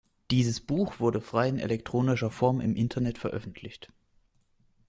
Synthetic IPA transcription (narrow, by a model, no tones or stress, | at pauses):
d̥iːzəsb̥uːxv̥ʊɐdəfʁ̥aɪɪnɛ̰lɛk̚tʁ̥oːnɪʃɐfɔɐmʔɪ̰mʔɪntʰɐnɛtfɛɐʔœ̰fn̩tʰlɪçt